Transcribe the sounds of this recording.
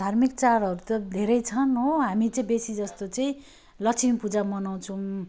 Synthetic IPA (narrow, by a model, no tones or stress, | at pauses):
d̪ʱarmik̚t͡saɾɦʌɾut̪ʌd̪ʱeɾʌjt͡sʰʌnɦoɦamit͡sʌĩbesid͡zʌst̪ot͡sʌĩ | lʌt͡sʰinpud͡zamʌnaw̃t͡sʰʌ̃